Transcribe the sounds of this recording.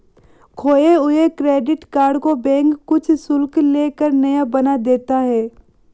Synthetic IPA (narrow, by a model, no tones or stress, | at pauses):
kʰoːeʊɦekɾeːɖɪʈkaːɾɖkobɛ̃ːŋkːʊt͡ʃʰsʊlkleːkəɾnɐjabɐnad̪eːt̪aɦɛː